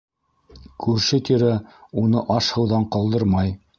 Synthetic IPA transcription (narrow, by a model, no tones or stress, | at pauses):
kʰʉɾʃɘt̪iɾæunɤʔɑʃhɤ̆wðɑɴqɑlˠd̪ɤɾmɑj